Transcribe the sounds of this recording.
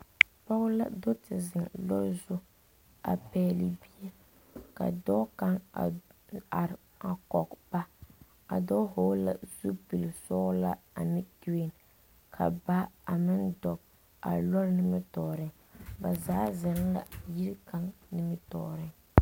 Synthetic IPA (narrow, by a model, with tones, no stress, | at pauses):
pɔ˦ɣla̰˦do˦tɪ˨zɪ˨ŋlɔ˦ɾzʊ˦ | a̰˨pɛː˦li˨bi˦jɛ˦ | ka̰˨dɔ˦ka˦ŋ˨ | a˨ɾ | a˨kɔ˨kba˦ | a˨dɔ˦hoː˦la̰˦zu˦pi˨lsɔ˦la̰˦ | a˨nɪ˦ki˦we˨n | kʰa̰˨ba˦a˨mɪ˦ndɔ˨k | a̰˨lɔ˦ɾnɨ˦mɪ˦tɔː˨ɾɪ˦ŋ | ba˨zaː˦zɪ˨n˦la˨ji˦ɾka˦ŋnɨ˦mɨ˦tɔ̰ː˨ɾɪ˦ŋ